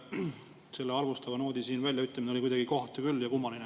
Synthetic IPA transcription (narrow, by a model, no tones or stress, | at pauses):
se̞lːeɑlvust̪ɑvɑno̞ːd̪̥isiːnvælʲjɑyt̪ːˑlɑmineo̞likujd̪ɑɡiko̞ht̪ekylːjɑkumːɑline